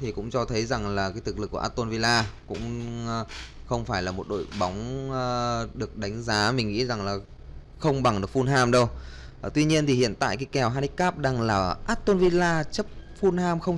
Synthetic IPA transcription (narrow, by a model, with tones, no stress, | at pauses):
t̪ʰi˨˩kʊ̰˧˥ŋ͡mt͡ɕɔ˧t̪ʰə˨˦jza˨˩ŋlaː˨˩kaː˨˦t̪ɨ˨˩k̚lɨ˨˩kːu˧˩ʔa˦˥t̚t̪o˧nvi˧laː˧kʊ̰˧˥ŋ͡m | xə˧wŋ͡mfaː˧˩jlaː˨˩mo˨˩t̚ɗo̰˧˨jɓa˨˦wŋ͡m | ɗɨ˨˩ək̚ɗa˨˦jŋ̟zaː˨˦mï˨˩ŋ̟ŋḭ˧˥za˨˩ŋlaː˨˩ | xə˧wŋ͡mɓa˨˩ŋɗɨ˨˩ək̚fu˧nɦaː˧mɗə˧w | t̪wi˧ɲi˧ənt̪i˨˩hḭ˧˨ənt̪a̰ː˧˨jkaː˨˦jkɛ˨˩wɦaː˧ni˦˥k̚kːaː˦˥p̚ɗaː˨˧˩ŋlaː˨˩ʔaː˦˥t̚t̪o˧nvi˧laː˧t͡ɕə˦˥p̚fu˧nhaː˧mxə˧wŋ͡m